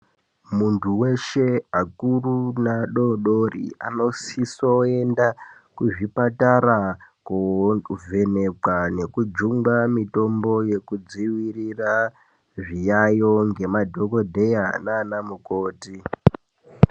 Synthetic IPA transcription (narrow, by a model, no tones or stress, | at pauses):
muntʰuwe̞ʃe̞akurunaɗoɗorḭa̰no̞sisoe̞nda | kuʐipataɾakovʱe̞ne̞kwane̞kud͡ʒuŋɡamito̞mbo̞je̞kud͡ziwirira | ʐijajo̞ŋɡe̞madʱo̞ko̞dʱe̞jananamukoːti